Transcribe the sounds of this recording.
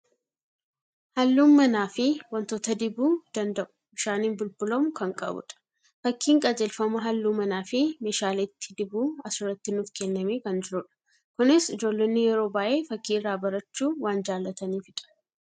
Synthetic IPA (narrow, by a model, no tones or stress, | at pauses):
hɐlːuːmːɐnaːfɪwɐnt̪oːt̪ɐd̪ɪbuːd̪̥ɐnd̪ɐʔʊ̥bɪʃaːniːnbʊlbʊlɐmʊkɐŋkʼɐ̰bʊ̰ᶑɐ̥ | fɐkːiːŋkʼɐd͡ʒɛlfɐmɐɦɐlːuːmɐnaːfɪmeːʃaːlɛt̪ʰːɪ̥d̪ɪbuːɐsʊrɐt̪ːɪnʊfkɛnːɐmeːkɐnd͡ʒɪɾʊᶑɐ̥ | kʊnɪsɪd͡ʒoːlːenːɪjɛɾo̞ːbaːʔe̞ːfɐkːiːɪrːaːbɐɾɐt͡ʃːuːwaːnd͡ʒaːlːɐt̪ɐniːfɪᶑ̪ʼɐ̥